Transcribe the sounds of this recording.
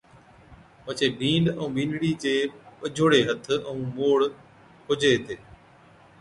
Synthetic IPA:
pət͡ʃeːbʱĩːɳɖə̃ːbĩːnɽiːt͡ɕeːpəd͡ʒʱoːɽeːɦət̪ʰə̃ũːmoːɽ | kʰʊd͡ʒʱeːt̪ʰeː

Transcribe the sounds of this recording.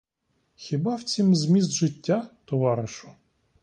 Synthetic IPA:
xʲibɑwt͡sʲimzmʲizd̪ʒɪtʲːat̪ɔʋɑɾɪʃʊ

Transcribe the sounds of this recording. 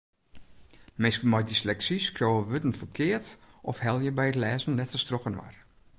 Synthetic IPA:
mɪskəlˠmɔjdislɛksiskjoːəʋødən̩fərkʰɪərtʔɔfhɛlˠjəbɛjətlɛːzən̩nɛtfəstrokənʋa̰r

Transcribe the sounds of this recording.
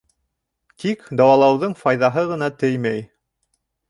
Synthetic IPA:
t̪ikd̪ɑwɑlˠɑwðɤɴfɑjðɑɦɤʁɤ̆nɑt̪ɘjmæj

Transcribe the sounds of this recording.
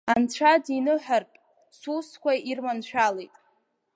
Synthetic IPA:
ant͡ɕʷʰadinɨħarpʼ | suskʷʰairmant͡ɕʷᶣʰalejtʼ

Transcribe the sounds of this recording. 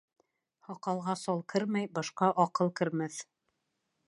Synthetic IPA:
hɑqɑlˠʁɑsɑlˠkʰɘɾmæjbɑʃqɑʔɑqɤlˠkɘ̆ɾmæθ

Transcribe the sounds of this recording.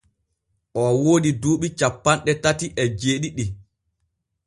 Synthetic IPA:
ʔɔwoːdiduːɓit͡ʃapːanɗɛtatiʔɛd͡ʒeːɗiɗi

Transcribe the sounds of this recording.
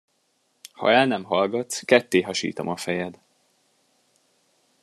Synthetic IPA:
hɒ̰ɛlnɛmɦɒlɡɒt̪skɛt̪ːeːɦɒʃḭːt̪ɒmɒfɛjɛd̪

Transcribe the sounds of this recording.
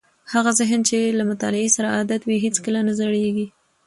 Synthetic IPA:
haɣazɪɦnt͡ʃelamʊt̪ɑ̰lɪesaɾaad̪at̪wiɦet͡skəlanazəɽeɡi

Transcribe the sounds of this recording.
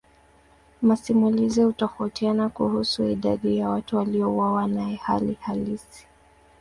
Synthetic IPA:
masimulizihutɔfautianakuhusuiɗaɗijawatuwaliɔuwawanaɛha̰lihalisi̥

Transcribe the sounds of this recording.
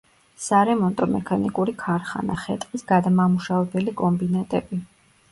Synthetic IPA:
saɾɛmɔnt̪ʼɔmɛkʰanikʼuɾikʰaɾχa̰naχɛt̪ʼqʼisɡad̪amamuʃavɛbɛlikʼɔmbinat̪ʼɛbi

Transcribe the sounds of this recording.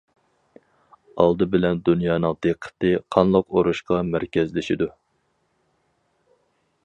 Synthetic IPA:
ɑlˠd̪ɨbɪlɛnd̪unjɑːnɨŋd̪̥eqʰə̥t̪ɨqʰɑnlˠəqoɾuʃqɑmæɾkʲɛzlɪʃid̪u

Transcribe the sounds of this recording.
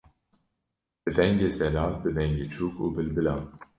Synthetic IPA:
b̥ɨd̪ɛŋɡeːzɛlɑːlbɨd̪ɛŋɟeːt͡ʃʰuːkṵːbɨlbɨlɑːn

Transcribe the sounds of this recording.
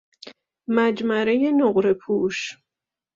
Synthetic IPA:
mæd͡ʒmæɾeje̞noɢɾe̞pʰuːʃ

